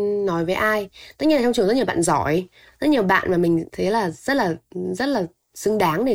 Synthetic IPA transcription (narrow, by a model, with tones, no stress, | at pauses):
nɔ˨˦jvəː˨˦jʔaː˧jt̪ə˦˥ɲi˧laː˨t͡ɕɔ˧wŋ͡mt͡ɕŋzə˦˥i˨˩a̰ː˧˨nzɔ˧˩j | zə˦˥t̚ɲi˨˩əwɓa̰ː˧˨nmaː˨˩mï˨˩ŋ̟t̪ʰə˨˦jlaː˨˩zə˦˥t̚laː˨˩zə˦˥t̚laː˨˩ | sɨ˧ŋɗaː˨˦ŋɗe˧˩